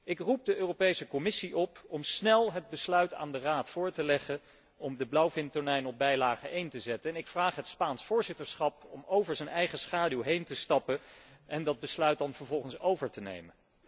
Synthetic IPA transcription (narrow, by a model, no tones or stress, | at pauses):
ʔɪkrup̚dəʔøːropejsəkɔmɪsiʔɔpɔmsnɛlˠɦəd̚bəslœɥta̰ːndəraːtfʊːɹtəlɛχə | ɔmdəblawfɪntəɹnɛjnɔb̚bɛjlaːχəʔejntəzɛtəɛnɪkfraːχɦətspaːnsfʊːɹzɪtəɹsχɑpɔmowvəɹzənɛjχəsχaːdylˠɦejntəstɑpəɛndɑd̚bəslœɥt̚dɑnvəɹvɔlˠχənsowvəɹtənḛjmən